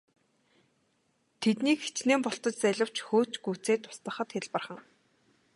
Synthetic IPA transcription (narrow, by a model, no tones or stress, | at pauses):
t̪ʰet̪niːkxe̥t͡ɕneːmpɔɬt̪ɞ̆t͡ɕt͡sæɮʲə̆w̥t͡ɕxoːt͡ɕɡuːt͡seːt̪ʰʊ̥st̪ə̆χə̆t̪xeɮpə̆rχə̆ŋ